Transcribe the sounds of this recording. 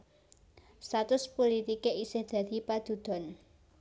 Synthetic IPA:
st̪at̪ʊspolit̪ikeisɪhd̪̥ä̤d̪̥i̤pad̪̥ṳd̪̥ɔ̤n

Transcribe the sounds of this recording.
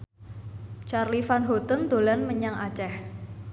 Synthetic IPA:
t͡ʃarlifanɦot̪ənd̪o̤lanməɲaŋʔa̰t͡ʃɛh

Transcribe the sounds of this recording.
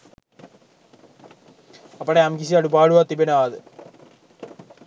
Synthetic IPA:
ɐpːɐɽeɐmɡiɕiɐɽubaːɭuʋɐt̪ibɐnaːðɨ

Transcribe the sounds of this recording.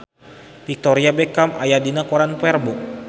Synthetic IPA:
fik̚t̪ɔɾiabɛkama̰jadinakoɾanpɛrbɔ

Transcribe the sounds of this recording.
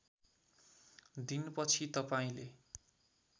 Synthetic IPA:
d̪inpʌt͡sʰit̪ʌpaĩle

